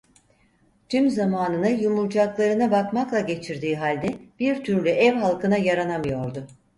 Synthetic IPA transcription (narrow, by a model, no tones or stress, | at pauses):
t̪ʰymzamaːnɯnɯjumuɾd͡ʒaklˠaɾɯnabakmaklˠaɟe̞t͡ʃʰiɾd̪iːɦalʲd̪ɛb̥iɾt̪ʰyɾlʲyʔɛvɦalˠkʰɯnajaɾanamɯjo̞ɾd̪ʊ